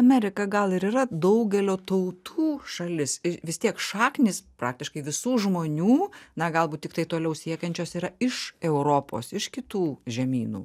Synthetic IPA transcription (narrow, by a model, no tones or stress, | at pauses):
ɐmʲɛɾʲɪkɐɡɐlˠɪɾiːrɐd̪ɐʊɡʲɛlʲoːt̪ɐʊt̪ʰuːʃɐlʲɪsɪʋʲɪst̪ʲiɛkʃɑːknʲɪsprɑːk̚t̪ʲɪʃkɐɪʋʲɪsuːʒmoːnʲuːnɐɡɐlˠbuːt̪t̪ʲɪkt̪ɐɪt̪oːlʲɛʊsʲiɛkʲɛnʲt͡ʃʲoːsiːɾɐɪʃɛʊɾoːpo̰ːsɪʃkʲɪt̪uːʒʲɛmʲḭːnṵː